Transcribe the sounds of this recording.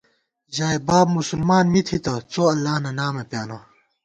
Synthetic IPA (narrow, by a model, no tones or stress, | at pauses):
ʑaːebaːbmusulmaːnmit̪ʰit̪ɐt͡soːɐlːaːhnɐnaːmepjaːno